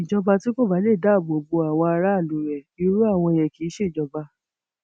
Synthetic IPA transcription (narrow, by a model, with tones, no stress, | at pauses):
i˨d͡ʒɔ˧ba˧ti˦ko˦˨ba˨˦le˦˨da˨˦˨bo˨bo˧a˨w̃ɔ̃˧a˧ɾa˦˨lu˨˦ɾɛ˨bi˧˦ɾu˦a˦˨w̃ɔ̃˧e˨jɛ˨ki˨˦ʃe˦˨d͡ʒɔ˧ba˧